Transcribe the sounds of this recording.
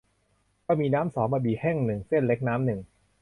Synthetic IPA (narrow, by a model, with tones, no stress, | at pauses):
kaː˧˥˩miː˧naː˦˥msɔː˩˦ŋmaː˧˩biː˨˩hɛ˥˩ŋnɯ˨˩ŋse˥˩nle˦˥k̚naː˦˥mnɯ˨˩ŋ